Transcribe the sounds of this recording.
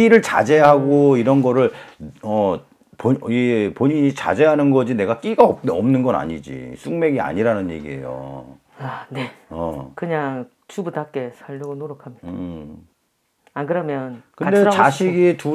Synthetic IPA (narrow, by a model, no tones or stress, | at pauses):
iɾɯɭt͡ɕa̰d͡ʑe̞ɦaɡoiɾʌnɡʌɾɯɭʌ | poipoɲiɲit͡ɕa̰d͡ʑe̞ɦanɯnɡʌd͡ʑine̞ɡak͈iɡaʌp̚tʌmnɯnɡʌna̰ɲid͡ʑḭsʰuŋme̞ɡia̰ɲiɾanɯnje̞̰ɡie̞̰jo̰ | ane̞ʌkɯɲaŋ | t͡ɕubudak͈e̞sʰaʎːʌɡonoɾokʰamɲi̥ | akɯɾʌmjʌnkɯndet͡ɕaɕʰiɡitu